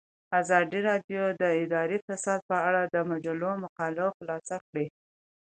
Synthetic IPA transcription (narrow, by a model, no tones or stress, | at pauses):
azɑd̪iɾɑɖjod̪əɪd̪ɑɾifasɑd̪̚pəaɽad̪əmad͡ʒalomʊqɑloxlɑsakɽe